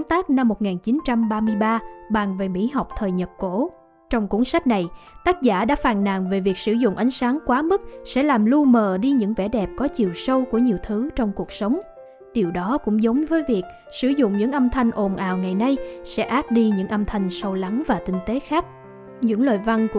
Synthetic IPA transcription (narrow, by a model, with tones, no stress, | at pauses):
nt̪aː˦˥k̚na˧mːo˨˩t̚ŋaː˨˩nt͡ɕi˨˦nt͡ɕa˧mɓaː˧mɨ˧əjɓaː˧ɓa˨˩ŋve˨˩mḭ˧˥ɦa˨˩wk͡p̚t̪ʰəː˨˩jɲə˨˩p̚ko̰˧˥ | t͡ɕɔ˧wŋ͡mkṵ˧˥ŋsa˦˥k̟̚na˨˩jt̪aː˦˥t̚zaː˧˩ɗa̰ː˧˥faː˧˩nna̰ː˧˨ŋve˨˩vi˨˩ək̚sɨ˧˩zʊ̰˧˨ŋ͡mʔa˨˦ŋ̟saː˨˦ŋkwaː˨˦mɨ˦˥t̚sɛ̰˧˥laː˨˩mlu˧məː˨˩ɗi˧ɲɨ̰˧˥ŋvɛ̰˧˩ɗɛ˨˩p̚kɔ˨˦t͡ɕi˨˩əwsə˧wku˧˩əɲi˨˩əwt̪ʰɨ˨˦t͡ɕɔ˧wŋ͡mku˨˩ək̚sə˨˦wŋ͡m | t̪i˨˩əwɗɔ˨˦kʊ̰˧˥ŋ͡mzə˨˦wŋ͡mvəː˨˦jvi˨˩ək̚ | sɨ˧˩zʊ̰˧˨ŋ͡mɲɨ̰˧˥ŋʔə˧mt̪ʰa˧jŋ̟ʔo˨˩nʔa̰ː˨˩wŋa˨˩jna˧jsɛ̰˧˥ʔaː˦˥t̚ɗi˧ɲɨ̰˧˥ŋʔə˧mt̪ʰa˧jŋ̟sə˧wla˨˦ŋvaː˨˩t̪ï˧ŋ̟t̪e˨˦xaː˦˥k̚ | ɲɨ̰˧˥ŋləː˨˩jva˧nku˧